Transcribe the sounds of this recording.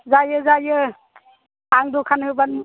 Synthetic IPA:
zajɯzajɯ | aŋdɔkʰanɦɯban

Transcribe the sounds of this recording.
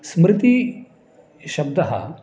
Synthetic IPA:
smɾɪt̪i | ɕɐbd̪ɐɦa̰

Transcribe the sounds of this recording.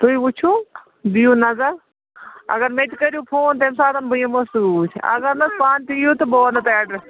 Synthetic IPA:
t̪uiut͡ʃʰũ | bijũnɐzɐɾ | ɐ̰ɡɐɾmet̪ikɐɾjũpʰoːnt̪emsaːt̪ɐnbujɐ̃mɐsuːt͡ʃʰɐ̰ɡɐɾnɐspaːnt̪ijut̪ɨboːnɐt̪eːɖɐɾ

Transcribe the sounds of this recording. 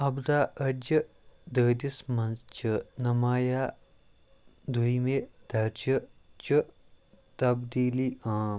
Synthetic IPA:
ɐbd̪aːʔɐd͡ʒɐ | d̪əːd̪ismɐnst͡ʃɨnɐmaːjaː | d̪uimed̪̥ɐɾt͡ʃət͡ʃɨ | t̪ɐbd̪iːliːʔãːm

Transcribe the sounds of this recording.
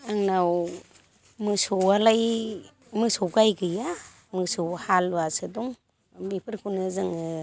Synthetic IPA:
aŋnaw | mɯsowalaj | mɯsoɡajɡɯja | mɯsowhalβasɯduŋ | bipʰɯɾkʰunɯzɯŋɯ

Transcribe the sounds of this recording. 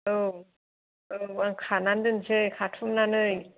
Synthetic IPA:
ɯ | ɯmaŋkʰanandɯnsʰekʰatʰumnanɯ

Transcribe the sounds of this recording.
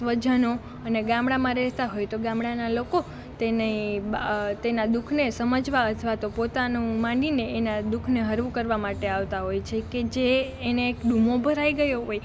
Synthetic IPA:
sʋəd͡ʒəno | əneɡãmɽamãɾɛɦt̪aɦojt̪oɡãmɽanaloko | t̪enəĩ | t̪enad̪ukʰnesəməd͡ʒʱʋaət̪ʰʋat̪opot̪anũmãɳɖineenad̪ukʰneɦəɾʋukəɾʋamaʈeaʋt̪aɦojt͡ʃʰeked͡ʒeː | neːkɖumobʱəɾaiɡəjoɦoj

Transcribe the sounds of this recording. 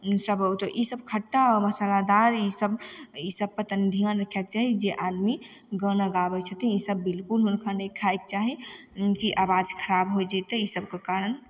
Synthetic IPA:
səbt̪ɔʔisəbkʰəʈːaməsalad̪aɾisəbisəb̚pət̪ənd̪ʱijãnɾəkʰɛk̚t͡ʃaɦid͡ʒeʔad̪mi | ɡənaɡabɛt͡ʃʰət̪ĩisəbːilkulɦʊnkʰanəkʰajk̚t͡ʃaɦikiʔabad͡ʒkʰəɾabɦod͡ʒat̪ɔisəbkekaɾən

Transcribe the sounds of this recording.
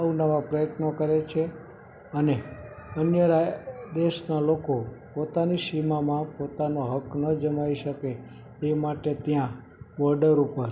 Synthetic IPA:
aunaʋãpɾəjət̪nokəɾet͡ʃʰe | əneənjəɾad̪eʃnalokopot̪aniʃimamãpot̪anoɦəknəd͡ʒəmaiʃəke | emaʈet̪jã | ʋɔɾɖəɾupəɾ

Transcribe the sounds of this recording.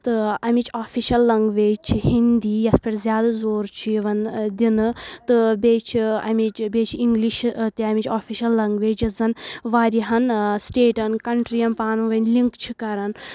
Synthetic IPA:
t̪ɨɐmit͡ʃaːfʰiʃɐlːɐŋɡʋeːd͡ʒt͡ʃʰihind̪iːjɐspʰʲɐɾzʲjaːd̪azoːɾt͡ʃʰiiʋɐnd̪inɨt̪ɨbeːt͡ʃʰiɐ̰mit͡ʃbeːt͡ʃʰiŋɡliʃt̪iɐmit͡ʃaːfʰiʃɐlːɐŋɡʋeːd͡ʒɐzɐnʋaːɾiɦɐnsʈeːʈɐnkɐɳʈɾiɐmpaːnuʋɐnʲliŋkt͡ʃʰikɐɾɐn

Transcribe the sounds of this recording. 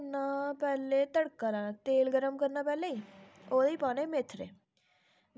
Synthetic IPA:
naːpɛːleːt̪əɽkːaːɾãːt̪eːlɡəɾəmkəɾnaːpɛːleːiːoːd̪iːpaːneːmɪt̪ʰːɾḛː

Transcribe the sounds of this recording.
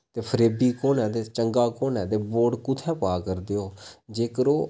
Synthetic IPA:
t̪eːpʰəɾeːbiːkoːnɛ̃ːd̪eːt͡ʃəŋɡaːkoːnɛ̃ːd̪eːboːɖkʊt̪ʰɛ̃ːpaːkəɾd̪eːoːd͡ʒeːkəɾoː

